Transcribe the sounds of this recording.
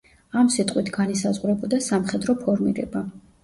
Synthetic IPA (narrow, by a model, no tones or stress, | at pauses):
amsit̪ʼqʼwit̪ʰɡanisazʁwɾɛbɔd̪asamχɛd̪ɾɔpʰɔɾmiɾɛ̰ba